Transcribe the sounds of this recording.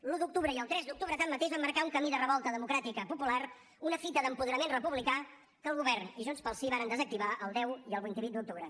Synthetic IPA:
lud̪uk̚t̪uβɾəiəlˠt̪ɾɛzd̪uk̚t̪uβɾət̪amːət̪eʒβamːəɾkauŋkəmiðərəβɔlˠt̪əðəmukɾat̪ikəpupular | unəfit̪əðəmpuðəɾəmenrəpuβlika | kəlˠɣuβɛrniʒunspəlˠsiβaɾənd̪əzək̚t̪iβaʔəlˠd̪ɛwiəlˠβint̪iβut̪̚d̪uk̚t̪uβɾə

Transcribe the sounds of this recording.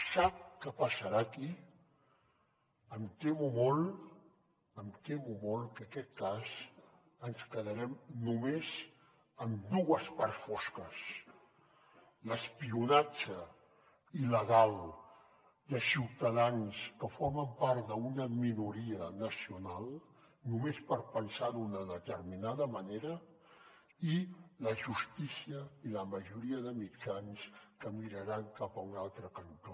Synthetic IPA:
sap̚kəpəsəɾaki | əmt̪emumɔl | əmt̪emumɔlkəkɛt̪̚kaz | ənskəðəɾɛmnumez | əmd̪uɣəspaɾsfɔskəs | ləspiunat͡ʃə | iləɣalˠ | d̪əsiwt̪əðanskəfɔɾməmpaɾt̪d̪əunəminuɾiənəsiunalˠ | numespəɾpənsaðunəðət̪əɾminaðəməneɾə | iləʒust̪isiəiləməʒuɾiəðəmit͡ʃanskəmiɾəɾaŋkapəunalˠt̪ɾəkənt̪o

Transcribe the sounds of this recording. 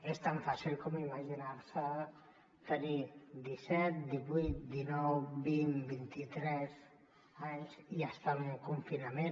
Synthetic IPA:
est̪aɱfasilˠkɔmimaʒinaɾsə | t̪ənid̪isɛt̪̚d̪iβujt̪̚d̪inɔwbinbint̪it̪ɾɛz | aɲziast̪auŋkuɱfinəme

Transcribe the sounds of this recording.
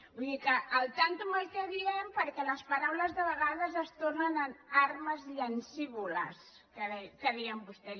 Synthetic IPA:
buiðikəʔːlˠt̪ant̪umajt̪əðiempəɾkɛlɐspɐɾawlɐzðəβəɣaðɐzəst̪oɾnənanaɾmɐziənsiβulɐ̰s | kəðɛkəðiəmbust̪e

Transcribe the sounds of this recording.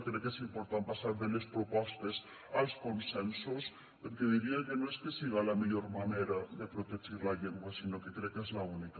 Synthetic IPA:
kɾɛkːesimpoɾt̪ampasaɾβelespɾopɔst̪es | alˠskonsɛnsus | peɾkeðiɾiakenoeskesiɣalamiʎoɾmaneɾaðepɾot̪eʒiɾlaʎeŋɡwasinokekɾɛkːezlaunika

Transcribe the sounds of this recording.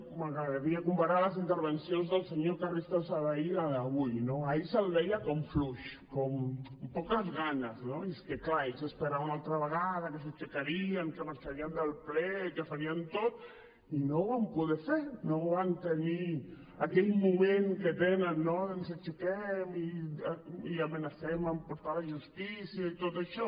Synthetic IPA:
maɣɾəðəɾiakumpaɾaləsint̪əɾβənsjonzðəlˠseɲokarist̪asaβaiaaβujnoaisəlðɛjakomfluʃkompɔkəzɣanəznoeskeklaesəspəɾaunalt̪ɾaβəɣ̞aðakəs̬ət͡ʃekaɾiaŋkemaɾt͡ʃaɾiand̪alplekasaɾiant̪oð | inoβampuðeseɾnoβant̪eni | akejmomeŋket̪enanːons̬et͡ʃekemiaiamenasemampoɾt̪oðaaʝust̪isjait̪oðeʃo

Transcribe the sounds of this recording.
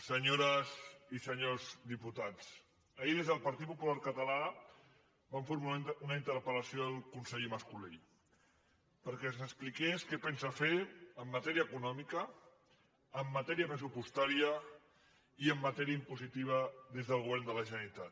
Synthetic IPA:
səɲoɾəzisəɲozd̪iput̪at͡s | əiðezðəlˠpɐɾt̪it̪̚pupulaɾkət̪əla | baɱfeɾumueunaint̪əɾpələsioðəlˠkunsɛʎməskuli | pəɾkɛnzəksplikeskɛpɛnsafeɾəmːət̪ɛɾiəːkunɔmikəː | mːət̪ɛɾiəpɾəs̬upust̪aɾiə | iəmːət̪ɛɾiəimpuzit̪iβ̞əðezðəlˠɣuβɛɾnd̪ələʒənɾit̪at̪

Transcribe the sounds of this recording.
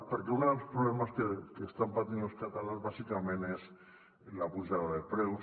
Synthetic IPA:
peɾkeunðelspɾuβlemaskekest̪ampat̪inloskat̪alanzβasikamẽnez | lapuʒaðaðepɾew

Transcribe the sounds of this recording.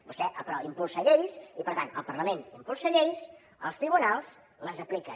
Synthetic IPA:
bust̪ɛʔəpɾɔimpulˠsəʎejsipəɾt̪anə̰lˠpəɾləmẽnimpulˠsəʎejs | əlˠst̪ɾiβunalˠs | ləzəplikə

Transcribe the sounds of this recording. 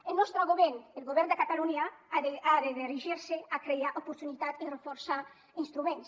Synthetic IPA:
elnɔst̪ɾaɣoβɛnelɣoβɛɾnd̪ekat̪aluɲaaðeaðeðiriʒiɾseakɾejaʔopuɾt̪unit̪at̪irefoɾsa | inst̪ɾumẽns

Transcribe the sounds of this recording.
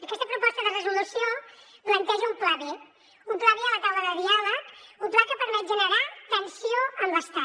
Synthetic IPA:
əkɛst̪əpɾupɔst̪əðərəzulusioplənt̪ɛʒəumplaβi | umplaβiələt̪awləðəðialəkumplakəpəɾmɛt̪̚ʒənəɾat̪ənsioəmbəst̪a

